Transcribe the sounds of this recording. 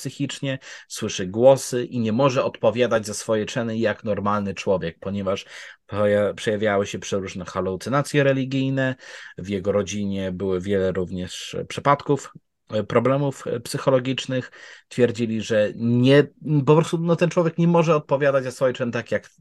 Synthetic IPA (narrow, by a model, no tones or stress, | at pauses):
psɘxʲit͡ʂɲɛswɘʂɘɡwɔsɘʔiɲɛmɔʐɛɔt̪pɔvʲjad̪ad͡ʑzasfɔjɛt͡ʂɛnɘjakn̪ɔɾmalnɘt͡ʂwɔvʲjɛk̚pɔɲɛvaʂjpʂɛjavʲjawɘɕɛpʂɘɾuʐnɛxalut̪sɘnat̪sʲjɛɾɛlʲiɡʲijnɛvjɛɡɔɾɔd͡ʑiɲɛbɘwɘvʲjɛlɛɾuvɲɛʂpʂɘpat̪kuf | pɾɔblɛmufpsɘxɔlɔɡʲit͡ʂnɘxt̪fʲjɛɾd͡ʑilʲiʐɛɲɛpɔpɾɔst̪unɔt̪ɛnt͡ʂwɔvʲjɛkɲɛmɔʐɛɔt̪̚pɔvʲjad̪ad͡ʑzasfɔjɛt͡ʂɛnt̪akʲjak